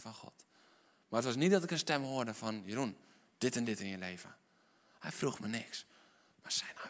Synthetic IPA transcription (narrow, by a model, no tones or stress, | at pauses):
fɔnxɔ̰t | maətʋɔs̬nit̚dɔtɪkənstɛmhoərdəfɔnjərun | d̥ɪtɛndɪtɪnjəleːvə̰ | hɛjfruxmənɪks | masɛjnɔ